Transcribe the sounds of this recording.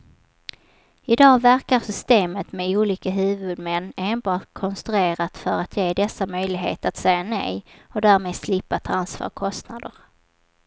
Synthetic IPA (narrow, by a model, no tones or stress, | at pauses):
ɪd̪ɑːɡvæɾkaɾsʏst̪eːmət̪mɛuːliːkaɦʉ̟ːvɵd̪mɛnːeːnbɑːʈ̪kʰɔnst̪ɾɵeːɾat̪fœɾat̪ʰjeːd̪ɛsːamœjlɪɡɦeːt̪at̪sɛjːanɛ̰jɔd̪æːɾmeːd̪slɪpːat̪ʰɾansvɑ̰ːɾkʰɔst̪nad̪əɾ